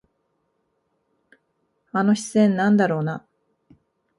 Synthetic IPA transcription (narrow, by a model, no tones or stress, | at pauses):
ano̞çi̥t͡ssẽ̞nːãnd̪aɾo̞ːna